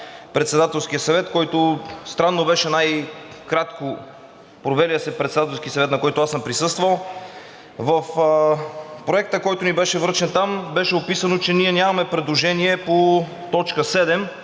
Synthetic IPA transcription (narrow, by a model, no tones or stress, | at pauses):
pɾɛt̪sɛd̪at̪ɛlˠskʲijəsɐvɛt̪kɔjt̪ost̪ɾanːobɛʃɛnajkɾat̪ko | pɾovɛliəsɛpɾɛt̪sɛd̪at̪ɛlˠskʲiəsɐvɛt̪nɐkɔjt̪ʊasəmpɾisɤst̪vəlˠ | vəf | pɾoɛk̚t̪əkɔjt̪ʊnibɛʃɛvɾt͡ʃɛnt̪ambɛʃɛopisɐnot͡ʃɛniɛnʲamɐmɛpɾɛd̪lˠoʒɛniɛpo | t̪ɔt͡ʃkəsɛd̪ɛm